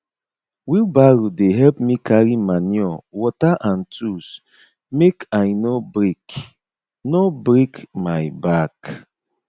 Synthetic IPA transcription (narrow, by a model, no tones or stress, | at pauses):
wilbaɾudeɦɛlpmikʰaɾimanjɔwɔtaʔãn̩tʰus | mekaɪnobɾek | nobɾekmaɪbak